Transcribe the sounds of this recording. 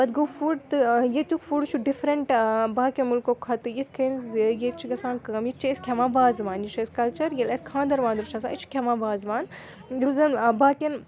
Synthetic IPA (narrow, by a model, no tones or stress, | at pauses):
bɐd̪ɡofuɖt̪ɨjet̪ʲukfuɖt͡ʃʰuɖifɾɐɳʈbaːkʲɐnmulkokʰɐt̪ɨjit̪ʰkʰɐnzjet͡ʃʰiɡɐsãːnkɐːmjit͡ʃʰiːsʲkʰʲemãːbaːzʋaːnjit͡ʃʰːsʲkɐlt͡ʃɐɾjelɐskʰãːnd̪ɐɾʋãːnd̪ɾut͡ʃʰas̬aːʔit͡ʃʰkʲʰemaːbaːzʋaːn | jɾuzɐnbaːkʲɐn